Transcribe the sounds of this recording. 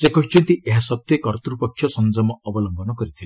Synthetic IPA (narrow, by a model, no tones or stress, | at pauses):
sekɔɦit͡ʃʰɔnt̪iʔeɦasɔt̪jekɔɾt̪ɾupɔkʰːjɔsɔnd͡ʒɔmɔɔbɔlɔmbɔnɔkɔɾit̪ʰile